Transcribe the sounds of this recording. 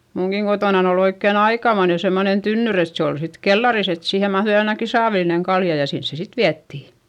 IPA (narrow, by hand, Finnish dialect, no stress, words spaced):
muŋkiŋ ɡ̊otoˑnɑn ol oikːen ɑikɑmoine semːonen tynːyr et se ol sit kelːɑris et siːhe mɑhðui ɑinɑki sɑːʋilineŋ kɑljɑ jɑ sins se sit ʋiætːiˑ